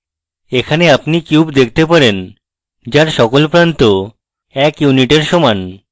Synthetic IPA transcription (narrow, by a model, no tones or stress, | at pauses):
ekʰaneapnikjubd̪ek̚ʰt̪epaɾen | d͡ʑaɾʃɔkolpɾant̪o | ɛkjuniʈeɾʃɔman